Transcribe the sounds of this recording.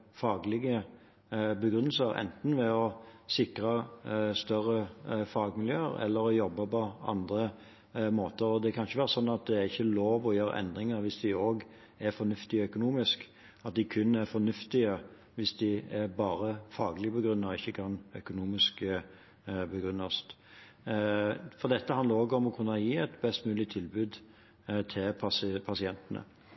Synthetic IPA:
fɑːɡlɪɡə | bəɡɾʉnːəl̩səɾɛ̰nt̪n̩ʋɛɔsɪkɾɑst̪œɾːəfɑːɡmɪljøːəɾɛ̰lːəɾɔjɔbːəpɔɑ̰nd̪ɾə | moːt̪əɾɔd̪ɛkʰɑnçəʋæːɾəsɔnːɑt̪̚d̪ɛæɾɪçːəloːʋɔjøːɾə̰ʔɛ̰nd̪ɾɪŋəɾʋɪsd̪ɪoːɡ | æɾfɔnʉft̪ɪœkʊnuːmɪsk | ɑt̪̚d̪ɪkʰʉnːæɾfɔnʉft̪ɪə | ʋɪsd̪ɪɛɾbɑːɾəfɑːɡəlɪɡəpɔɡɾʉnːɑɪçːəkʰɑnœkʊnuːmɪsk | bəɡɾʉnːɑst̪ | fɔʁd̪ɛt̪ːəhɑnd̪əɾoːɡəɔmɔkʰʉnːəjiːɛɪt̪bɛst̪mʉːlɪt̪ʰɪlbʉːd̪ | t̪ʰɪlpʰɑspʰɑsɪɛnt̪ənə̰

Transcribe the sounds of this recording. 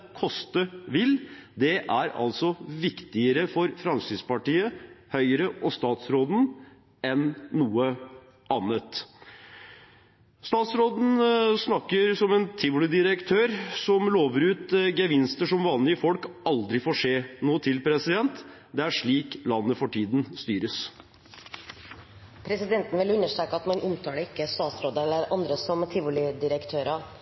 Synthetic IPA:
kʰɔst̪əʋɪld̪ɛʔæɾɑ̰lt̪sɔʋɪkt̪ɪəɾəfɔɾfɾɑnsyːspɑʈiːəhœʏɾəʔɔst̪ɑːt̪sɾoːd̪n̩ | ɛnːuːə | ʔɑːnət̪ | st̪ɑːt̪sɾoːd̪n̩snɑkːəɾsɔmɛnt̪ʰɪʋʊlɪd̪ɪɾəkt̪ʰøːɾsɔmloːʋəɾʉːt̪ɡəʋɪnst̪əʂɔmʋɑːnlɪəfɔlkɑld̪ɾɪfoːʂeːnuːət̪ʰɪlpʰɾɛsɪd̪ɛnt̪ | d̪ɛæʂɭiːklɑnːəfɔʈʰiːd̪nst̪yːɾəs | pʰɾɛsɪd̪ɛnt̪n̩ʋɪlʉnːəʂʈ̪ɾeːkəɑt̪mɑnʔʊmt̪ʰɑːɖəɪkːəst̪ɑːt̪sɾoːd̪əɛlːəɾɑnd̪ɾəsɔmt̪ʰɪʋʊlɪd̪ɪɾəkt̪ʰøːɾə

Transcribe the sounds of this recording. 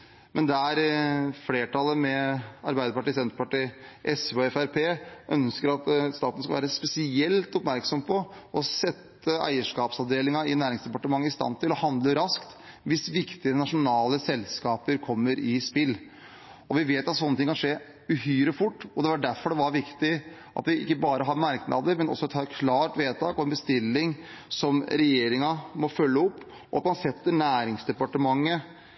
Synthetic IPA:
mʔɛnd̪ɛæɾfleːʈʰɑlːəmɛɑɾbæɪd̪əpɑʈɪsɛnt̪əpɑʈiːʔɛsɔɛfæɾpʰeːʔœ̰nskəɾɑt̪st̪ɑːt̪nəskɑlʋæːɾəspɛsɪɛlt̪ɔpmæɾksɔmpʰɔ | ɔsɛt̪ːəæ̰ɪəʂkɑːpsɑʋd̪eːlɪŋɑɪnæːɾɪŋsd̪ɛpɑʈəmɑŋːəɪst̪ɑ̰nt̪ʰɪlɔhɑnd̪ləɾɑskt̪ | ʋɪsʋɪkt̪ɪənɑʂʊnɑːləsɛlskɑːpəɾkʰɔmːəɾɪspɪlː | ɔʋɪʋeːt̪ɑt̪sɔnːət̪ɪŋːkʰɑnʂeː | ʉɦyːɾəfʊʈːɔd̪ɛʋɑɖæɾfɔɖɛʋɑɾʋɪkt̪ɪ | ʔɑ̰t̪ʋɪʔɪ̰kːəbɑːɾəɦɑɾmɑɾknʔɑ̰ːd̪əɾmɛnʔɔ̰sːɔɛt̪ʰːɑːɾkʰlɑːʈʋeːt̪ʰɑːkɔɛnbəst̪ɪlːɪŋ | sɔmɾɛjeːɾɪŋɑmɔfœlːəʊpː | ɔɑt̪mɑnsɛt̪ːəɳæːɾɪŋsd̪ɛpɑʈəmɑŋːə

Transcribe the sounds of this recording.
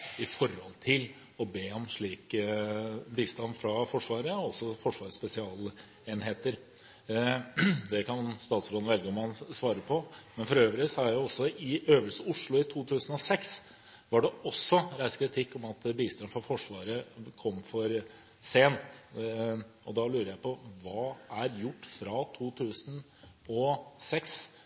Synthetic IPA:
ɪfɔɾhɔ̰lt̪ʰɪl | ɔbeːɔmʂɭiːk | biːst̪ɑnfɾɑfɔʂʋɑːɾəɔɔsɔfɔʂʋɑːʂspɛsɪɑːl | eːnheːt̪əɾ | d̪ɛkʰɑnst̪ɑːt̪sɔɾɑd̪ʋɛlɡəɔmɑnsʋɑːɾəpʰɔmɛnfɔɾøːʋɾɪsɔhɑɾæʊɔsːɔɪøːʋəlsəʊʂɭʊɪt̪ʰuːt̪ʰʉːsən̩ɔsɛks | ʋɑɖɛɔsːɔɾæɪskʰɾɪt̪ʰɪkːɔmɑt̪biːst̪ɑnfɾɑfɔʂʋɑːɾəkʰɔmːfɔɾ | seːnt̪ | ɔd̪ɑlʉːɾəjæɪpʰɔʋɑːæɾjʊʈːfɾɑt̪ʰuːt̪ʰʉːsən | ɔsɛks

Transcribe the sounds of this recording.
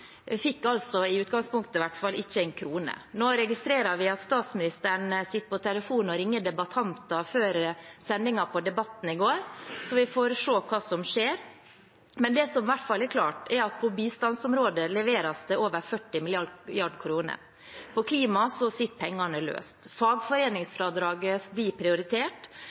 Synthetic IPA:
fɪkːɑlsɔɪʉːt̪ɡɑŋspʊŋkt̪əʋæʈfɑlʔɪçːəæɪnkʰɾuːnə̰noːɾɛɡɪst̪ɾeːɾɑɾʋɪɑt̪st̪ɑːt̪smɪnɪst̪əɳəsɪt̪ːpɔt̪ʰɛləfuːnɔɾɪŋːəd̪ɛbɑt̪ʰɑnt̪ɑføːɾsɛnd̪ɪŋɑpʰɔd̪ɛbɑt̪ːn̩ɪɡoːɾsɔʋɪfoːɾʂoːkʰɑːsɔmʂeːɾ | mɛnd̪ɛsɔmʋæʈːfɑlːæɾkʰlɑ̰ːʈɛɾɑt̪̚pʰɔbiːst̪ɑnsɔmɾoːd̪əlɛʋeːɾɑsd̪ɛoːʋəɾfœʈːɪmɪlɪɑjɑɖkʰɾuːnə̰ | pʰɔkʰliːmɑsɔsɪt̪ːpʰɛŋːɑɳəlø̰ːst̪fɑːɡfɔɾeːnɪŋsfɾɑːd̪ɾɑːɡəblipʰɾɪʊɾɪt̪ʰeːʈ

